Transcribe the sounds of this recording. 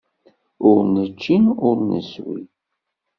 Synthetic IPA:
ʊɾnət͡ʃːinʊɾnə̰swḭ

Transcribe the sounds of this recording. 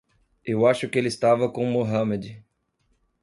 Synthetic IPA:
ewaʃʊkɪelɪst̪avɐkõmoɦɐmed͡ʒɪ

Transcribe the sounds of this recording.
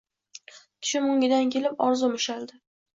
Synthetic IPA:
t̪ʰʊ̥ʃɪmʊŋʲɪd̪ankʲe̞lɪpɒɾzʊmɪʃald̪ɪ

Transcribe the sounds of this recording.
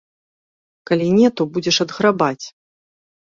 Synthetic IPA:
kalʲinʲɛt̪ɔbud͡zʲɛʂɐd̪ɣɾabat͡sʲ

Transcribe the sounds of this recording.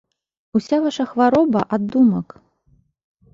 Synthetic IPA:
usʲavaʂɐxvaɾɔbɐʔad̪ːumɐk

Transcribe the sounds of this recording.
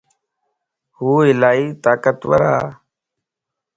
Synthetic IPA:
huːɪlaːiːt̪aːkət̪ʋə̰ɾa̰ː

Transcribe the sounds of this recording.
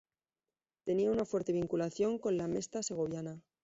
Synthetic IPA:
t̪e̞niaunafwe̞ɾt̪e̞β̞iŋkulaθjo̞ŋko̞nlame̞st̪ase̞ɣ̞o̞β̞jana

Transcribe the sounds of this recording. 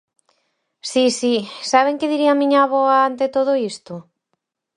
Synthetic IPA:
sisisaβ̞eŋkɪðiɾiamĩɲaβɔaant̪ɪt̪oð̞oist̪ʊ

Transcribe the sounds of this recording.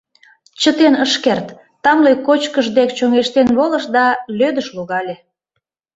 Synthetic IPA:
t͡ɕət̪enəʃkert̪ː | ɑmlejkot͡ɕkəʒd̪ek̚t͡ɕoŋeʃt̪enβolə̆ʃd̪ɑlød̪əʃluɣɑlʲe

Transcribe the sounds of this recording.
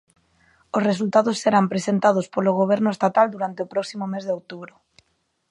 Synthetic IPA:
ʊsres̬ult̪aðʊsːeɾampɾesent̪að̞ʊspoloɣ̞oβ̞ɛɾnʊest̪at̪ald̪uɾant̪eɪopɾɔksimomezðeowt̪uβɾʊ

